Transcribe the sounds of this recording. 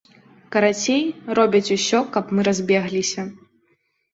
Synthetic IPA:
kɐɾat͡sʲejrɔbʲɐt͡sʲusʲɔkɐpmɨɾazʲbʲɛɣlʲisʲɐ

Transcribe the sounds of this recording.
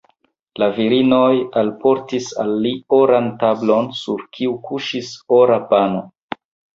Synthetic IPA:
laviɾino̞jalpo̞ɾtisa̰lːioɾantablo̞nsuɾkʰiukuʃiso̞ɾapano

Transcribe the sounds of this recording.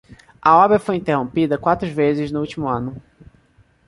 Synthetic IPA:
ɐɔbɾɐfojĩnt̪eɦõmpid̪ɐkwat̪ɾʊʒvezɪznʊuwt͡ʃimʊɐ̃nʊ

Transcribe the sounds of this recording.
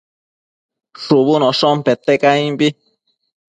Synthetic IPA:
ʂuβunoʂompet̪ekaĩmbi

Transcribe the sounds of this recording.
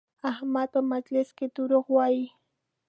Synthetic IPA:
ahmat̪amat͡ʃlɪskɪt̪ʊɾoχwaj

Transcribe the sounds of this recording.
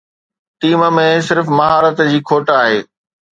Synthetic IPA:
ʈiːməmẽsɪɾfmɐɦaːɾət̪d͡ʑiːkʰoːʈaːɦeː

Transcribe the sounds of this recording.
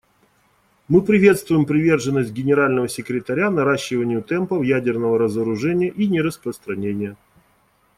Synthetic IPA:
mɨpɾʲɪvʲe̞t̪st̪vʊjɪmpɾʲɪvʲe̞rʐɨnːəsʲt̚ʲɡʲɪnʲɪɾalʲnəvəsʲɪkɾʲɪt̪ɐɾʲanɐɾaɕːɪvənʲɪjʊt̪ɛmpəfjædʲɪrnəvəɾəzəɾʊʐɛnʲɪjəʔinʲɪɾəspɾəst̪ɾɐnʲenʲɪjə

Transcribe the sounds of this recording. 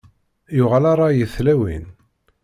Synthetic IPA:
jʊʁəlaɾˤɑjəθlæwḭn

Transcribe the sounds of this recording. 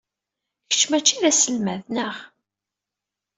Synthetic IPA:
çə̥t͡ʃːmæt͡ʃːiɾæsəlmæðnəʁ

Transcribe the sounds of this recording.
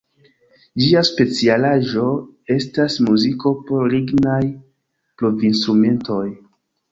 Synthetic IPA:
d͡ʒiaspe̞t͡sialaʒo̞ | e̞stasmuziko̞po̞ɾɾiɡnaj | pɾovinstɾume̞nto̞j

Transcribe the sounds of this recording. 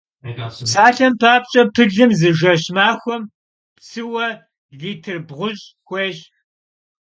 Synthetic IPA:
saːɬɐmpʰaːp̚t͡ʃʼɐpʰɨɮɨmzɨʒɐɕmaːxʷɔm | psɨwɐ | ɮiːtʰɨrbʁʷʊɕʼ | xʷeːɕ

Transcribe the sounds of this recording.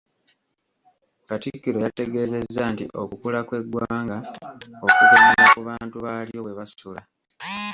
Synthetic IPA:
katikːiɾo̞jate̞ɡe̞ːze̞zːantḭʔo̞kukulakwe̞ɡwaːŋɡaokukumaɾakuβaːntuβaːlijo̞we̞βasula

